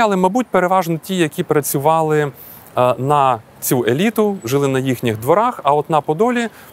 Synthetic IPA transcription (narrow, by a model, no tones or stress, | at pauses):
jalˠɪmɐbut̚ʲpeɾeʋɑʒnɔtʲijɐkʲipɾɐt͡sʲʊʋɑlˠɪ | nɐ | t͡sʲuʔelʲit̪ʊʒɪlˠɪnɐjixnʲɪxd̪ʋɔɾɑxɐɔt̪nɐpɔd̪ɔlʲi